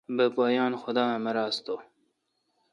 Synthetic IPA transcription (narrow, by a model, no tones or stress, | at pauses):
bəpɑːjɑːnxʊd̪ɑːməɾɑːst̪oː